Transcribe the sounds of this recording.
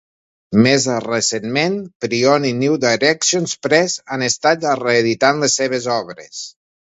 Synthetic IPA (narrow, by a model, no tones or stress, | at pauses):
mezresenmenpɾioniniwd̪ajɾɛksionspɾɛzanest̪at̪əreːðit̪anlesːeβezɔβɾḛs